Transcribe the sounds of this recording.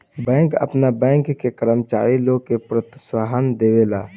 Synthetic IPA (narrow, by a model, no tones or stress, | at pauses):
bɛ̃ŋkə̰pnabɛ̃ŋkːekəɾəmət͡ʃa̰ɾiloɡ̚kepɾət̪swaɦənd̪ebela